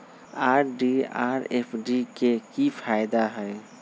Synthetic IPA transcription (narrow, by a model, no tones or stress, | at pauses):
aːɾɖia̰ːɾḛpʰɖikekipʰaːɪd̪aɦɛ